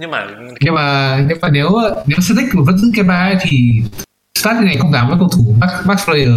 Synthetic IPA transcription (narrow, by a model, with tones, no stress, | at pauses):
ɲɨ˧maː˨˩ɲɨ˧˦wmaː˨˩ne˨˦wne˨˦wsɨː˧˥t̪ï˥k̚u˨˩və̰˦˥nzɨ̰˧˥ka˨˧˦ɓaː˧ə˦jt̪ʰi˨˩ | st̪aː˦˥li˧na˨˩kə˧ŋ͡mzaː˧˩mvəː˨˦jkə˧wt̪ʰu˧˩kːaː˦˥ɓaː˦˥k̚flə˧jəː˨˩